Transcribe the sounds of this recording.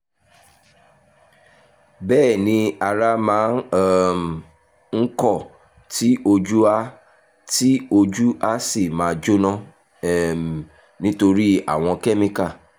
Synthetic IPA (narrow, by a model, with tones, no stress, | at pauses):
bɛː˦˨nĩ˧a˧ɾa˦mãː˨˦n˦˨ | ŋ̩˦kɔ˦˨ | tʰi˦ʔo˧d͡ʒu˦a˦ | ti˦o˧d͡ʒu˦ʔa˦si˦˨mãː˨˦˧d͡ʒo˦nã˦˨ | nĩ˦to˧ɾi˦a̰˦˨w̃ɔ̃˧ke˦mĩ˧ka˦˨